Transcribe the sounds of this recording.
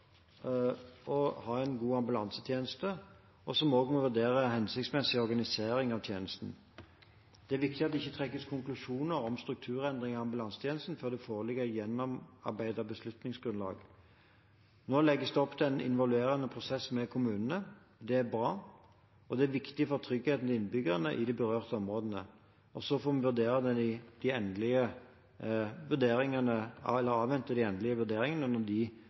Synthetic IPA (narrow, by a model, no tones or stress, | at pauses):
ɔhɑːɛnɡuːɑmbʉlɑnsət̪ʰjeːnəst̪ə | ɔsɔmɔːɡmɔʋʉd̪eːʁəhɛnsɪk̚t̪smɛsɪɔɾɡɑnɪseːɾɪŋɑʋt̪ʰjeːnəst̪n̩ | d̪̥ɛæɾʋɪk̚t̪ɪɑt̪d̪ɛɪçːət̪ʰʁɛkːəskʰʊŋklʉʂuːnəɾɔmst̪ʁʉk̚t̪ʰʉːʁɛnd̪ʁɪŋɑɑmbʉlɑnsət̪ʰjeːnəst̪n̩føːʁd̪ɛfoːʁlɪɡəʁjɛnːɔmɑ̰ʁbæɪd̪əʁbəslʉt̪nɪŋsɡʁʉnlɑ̰ːɡ | noːlɛɡːəsd̪ɛɔpːt̪ʰɪɛnɪ̰nʋɔlʉeːɾənːəpʰʁʊsɛsmɛkʰʊmʉːnənə | d̪ɛæbɾɑː | ɔd̪ɛæʋɪkt̪ɪfɔʁt̪ʰʁʏɡheːt̪n̩t̪ʰɪnbʏɡəʁənə̰ʔɪd̪ɪbəʁøːʁt̪əɔmʁoːd̪ənə̰ | ɔsɔfoːmɛʋʉʁd̪eːʁəd̪ɛd̪ɪd̪̥ɪɛnd̪lɪə | ʋʉʁd̪eːɾɪŋənəɛlːəɾɑːʋɛnt̪əd̪ɪɛnd̪lɪəʋʉd̪eːɾɪŋənənəd̪ɪ